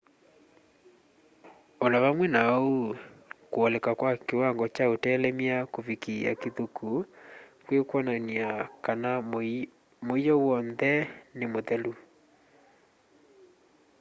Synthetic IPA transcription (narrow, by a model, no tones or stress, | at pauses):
olaβamwɛnaukwɔlɛkakwakewaŋɡɔt͡ʃaotɛːlɛmiakovikia̰keðukʰukwekwananiakana | moijɔwɔnðɛnemoðɛlu